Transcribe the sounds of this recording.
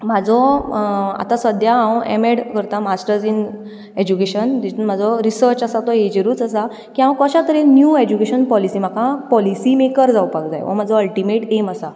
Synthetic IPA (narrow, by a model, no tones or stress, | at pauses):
m̤ad͡zɔ | a̰t̪ãsʋəd̪ʱjaãwɛ̰meɽkəɾt̪amasʈəɾd͡zin | ed͡ʑukeɕənd̪it̪unm̤ad͡zɔɾisəɾt͡ɕasat̪ɔɦed͡ʑeɾuːt͡səsa | kiɦãwkəɕat̪əɾenjued͡ʑukeɕənpɔlisiːm̤akʰãpɔlisimekəɾd͡zawpakd͡za̰jʋɔ̰m̤ad͡zɔəlʈimeʈeməsa